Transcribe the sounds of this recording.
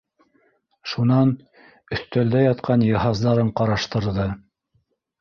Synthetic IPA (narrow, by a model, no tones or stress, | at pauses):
ʃunɑn | ɵ̆θt̪æld̪æjɑt̪qʰɑnjɤ̆ɦɑzðɑɾɤɴqɑɾɑʃt̪ɤ̆ɾðɤ